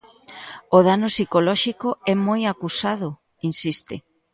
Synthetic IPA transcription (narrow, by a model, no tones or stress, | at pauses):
oðanosikolɔʃikoɛmojakusað̞ʊ | insist̪ɪ̰